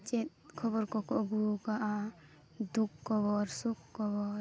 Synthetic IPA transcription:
t͡ʃet̪̚kʰɔbɔɾkɔkɔɡukaʔa | d̪ukːɔβɔɾsukːɔbɔɾ

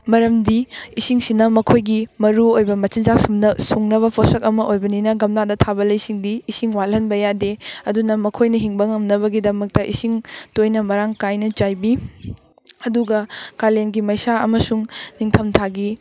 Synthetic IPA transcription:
mɐɾɐmdiisiŋsinɐmɐkʰojɡimɐɾuojbɐmɐt͡ʃinzaksumnɐsuŋnɐβɐpʰosɐkɐmɐʔojbɐninɐɡɐmnadɐtʰabɐlɐjsiŋdiːsiŋwalɐnbɐjadeɐdunɐmɐkʰojnɐɦiŋbɐŋɐmnɐβɐɡidɐmɐk̚tɐʔisiŋtojnɐmɐɾaŋkajnɐt͡ʃajbi | ɐduɡɐkaleŋɡimɐjsaɐ̰mɐsuŋniŋtʰɐmtʰaɡi

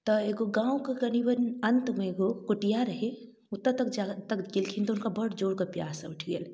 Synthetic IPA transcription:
t̪əeɡoɡãːwkəkɐnibənɐnt̪meeɡokuʈijaɾəɦe | ʊt̪ːət̪ɐkd͡ʒat̪ːəkɡilkʰint̪oʊnkabəɽd͡ʒoːɽkəpja̰ːsə̰uʈʰiə̰l

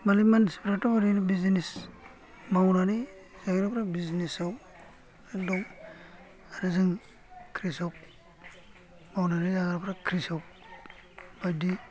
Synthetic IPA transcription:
malimansipɾatɔbaɾinibizinis | mawnani | zaɡɾapʰɾabiznisaw | adɔŋ | anɯzɯŋ | kʰɾisawp̚ | mawnanizaɡɾapʰɾakʰɾisawp | bajdi

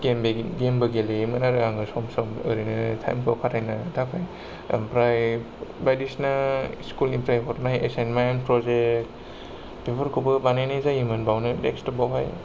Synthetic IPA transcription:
kembeɡembɐɡelemɯnaɾɯɡaŋɡɯsɔmsɔmɯɾinɯtʰa̰jmkʰɯpʰatʰajnatʰapʰaj̰ | mpɾaj | bajdisnaskulimpɾajpʰɔɾnajesenmajanpɾɔzek̚t | bʰebɯɾkʰubɯbanajnazajimɯnbawnɯdekstɔbawɦaj

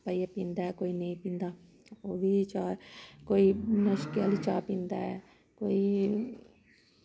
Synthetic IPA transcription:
pəiapĩːnd̪aːɛkoːinẽĩpĩːnd̪aː | obʱiːt͡ʃaːkoːinəʃkeəlit͡ʃaːpĩːnd̪aɛ | koːi

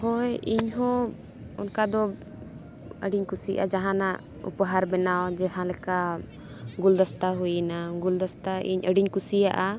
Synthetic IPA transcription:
hɔjiɲɦɔ̃ | ɔ̰nkad̪ɔ | əɖiɲkusiʔa̰d͡ʒaɦãnaʔ | ṵpəɦaɾbɛnawd͡ʒɛɦãlɛka | ɡuld̪ast̪aɦujnaɡuld̪ast̪aʔḭɲʔəɖiɲkusijaʔa

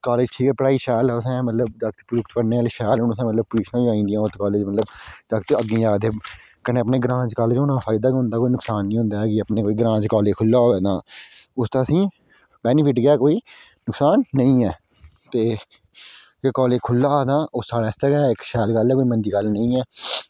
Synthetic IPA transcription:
kaːleːd͡ʒʈʰiːkɛːpɾaːiːʃɛːlsɛ̃ːmət̪ləbd̪əkt̪ːpɾʊkt̪pəɽneːaːleːʃɛːlʊnsɛ̃ːmət̪ləb̚pʊɾiːʃnãːʋiaːĩːnd̪ijãːʊt̪ːkaːleːd͡ʒmət̪ləbdəkt̪ːəɡːĩːjaːd̪ekənẽːəpneːɡəɾãːd͡ʒkaːld͡ʒoːnãːpʰaːɪd̪aːkɦʊ̃nd̪aːkoːiːnʊksaːnːĩːɦʊ̃nd̪aːɛkɪəpnẽːkoːiːɡəɾãːd͡ʒkaːleːkʰʊlːaːɛːd̪ãːʊst̪ãːəsĩː | bɛːnɪpʰɪʈɡɪɛːkoːiːnʊksaːnːəĩːɛː | t̪eː | kkɔːleːd͡ʒkʰʊlːaːaːd̪ãːʊsːaːɾaːst̪əɡɛːɪkʃɛːlɡəlɛːkoːiːmənd̪iːɡəlnəĩːɛː

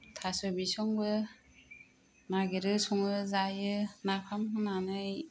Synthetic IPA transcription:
tʰasɔbisɔŋbɯ | naɡeɾɯsɔŋɯzajɯnapʰamkɯnanɯj

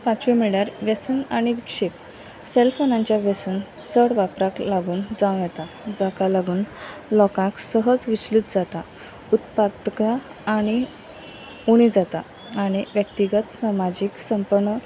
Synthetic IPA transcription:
pãt͡ɕʋimiɭjaɾʋesənaɽ̃iʋikʂep | selfonãɲt͡ɕjaʋesən | t͡səɽʋapɾaklaɡuːnd͡zãw̃jɛt̪a | d͡zakalaɡuːnlɔkãksəɦəd͡zʋiɕlit̪d͡zat̪a | ut̪pad̪kaː | ɽ̃i | uɽ̃id͡zat̪aː | ɽ̃iʋjək̚t̪iɡət̪samad͡ʑiːksəmpəɾɳə

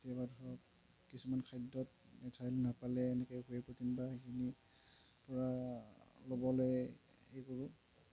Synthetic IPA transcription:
tiabadʱɔɹɔp̚ | kisumankʰajdːɔt | mɛtʰajlnapalɛːnɛkɔjɡuɛpotinbaekʰini | pɔɹa | lobɔlɔj | ejkoɹu

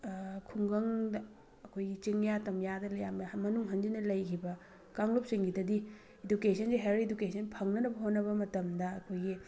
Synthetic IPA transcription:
kʰuŋɡɐŋdɐ | ɐkʰojɡit͡ʃiŋjatɐmjadɐlɐjammɐnuŋɦɐndinɐlɐjkʰibɐ | kaŋlop̚siŋɡidɐdi | edukesʰɐnsiɦeɾedukesʰɐnpʰɐŋnɐnɐbɐɦonɐβɐmɐtɐmdɐɐkʰojɡi

